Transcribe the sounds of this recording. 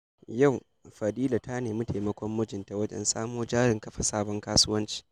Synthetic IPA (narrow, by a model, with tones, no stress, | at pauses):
ja˦˨w | ɸɐ˨diː˦la˨tʰa˦neː˨mʊ˦tʰe˨mɐ˦kʷɔ˦mːʊ˦d͡ʒɪ˨nta˨wɐ˦d͡ʒɛ̰˨nsa̰ː˦moː˦d͡ʒaː˦ɾɪ˨ŋkɐ˦ɸa˨saː˦bɔ˦ŋkaː˦su˦wɐ˦nt͡ʃi̥ː˦